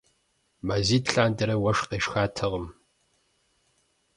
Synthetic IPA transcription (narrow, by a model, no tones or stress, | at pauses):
maziːtɬaːndɐɾɐwɐʂqeːʃxaːtʰɐʁəm